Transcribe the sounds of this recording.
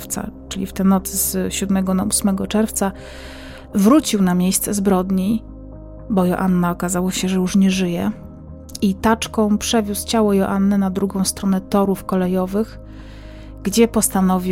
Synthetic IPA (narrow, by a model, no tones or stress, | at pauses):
ft̪sa̰t͡ʂɘlʲift̪ɛnɔt̪sɘzɕud̪mɛɡɔnausmɛɡɔt͡ʂɛɾft̪sa | vɾut͡ɕiwnamʲjejst̪sɛzbɾɔd̪ɲi | bɔjɔ̰ʔanːaɔkazawɔɕɛʐɛjuʂɲɛʐɘjɛ | it̪at͡ʂkɔ̃w̃pʂɛvʲust͡ɕawɔjɔʔanːɛnad̪ɾuɡɔ̃w̃st̪ɾɔnɛt̪ɔɾufkɔlɛjɔvɘx | ɡd͡ʑɛpɔst̪anɔvʲi